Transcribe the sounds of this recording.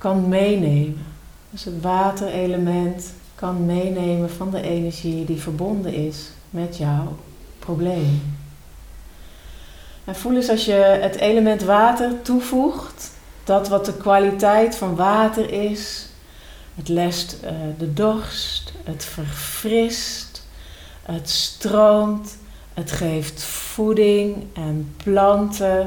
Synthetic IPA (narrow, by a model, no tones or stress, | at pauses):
kɑnmejnejmən | d̥øsɦətʋaːtərejləmɛnt | kɑnmejnejmənvɑndəʔejnəɹʒidivəɹbɔndənɪs | mɛtjɔw | problejmə | ɛnfuləsɑlˠsjəətejləmɛntʋaːtəɹtuvuχt | d̥ɔtʋɑt̚dəkʋalitɛjtfɑnʋaːtərɪs | ətlɛstdədɔrstətfərfrɪst | ətstrowmt | ətχejftfudɪŋɛnplɑntə